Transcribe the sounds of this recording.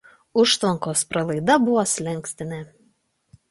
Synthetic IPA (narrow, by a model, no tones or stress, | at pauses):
ʊʃt̪ʋɐŋkoːspɾɐlˠɐɪd̪ɐbʊʋoːsʲlʲɛŋʲˑksʲt̪ʲɪnʲɛ